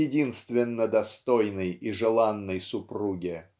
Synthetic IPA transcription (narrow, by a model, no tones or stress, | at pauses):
ɪdʲinst̪vʲɪnːəd̪ɐst̪ojnəjiʐɨlˠanːəjsʊpruɡʲɪ